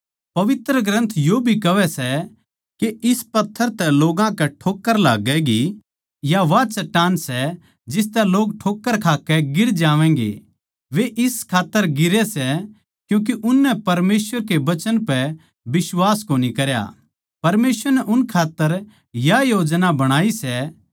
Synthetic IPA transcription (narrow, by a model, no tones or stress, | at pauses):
pɐʋɪt̪ɾəɡɾə̃nt̪ʰjoːbʱikɐʋɛsɛ | keɪspɐt̪ʰːəɾt̪ɛloːɡãkɛʈʰoːkːəɾla̰ːɡɛɡi | jaʋat͡ʃɐʈːaːnsɛ | d͡ʒɪs̬t̪ɛloːɡ̚ʈʰoːkːəɾkʰaːkɛɡɪɾd͡ʒaːʋɛ̃ːɡḛ | ʋeʔɪskʰaːt̪ːəɾɡɪɾɛsɛ | kjũːk̬iʔʊnːɛpɐɾmeːsʋəɾkeʋɐt͡ʃənpɛ | bɪswaːskoːnikɐɾja̰ | pɐɾmeːsʋəɾnɛʔʊnkʰaːt̪ːəɾ | jajoːd͡ʒnabɐɽ̃aːisɛ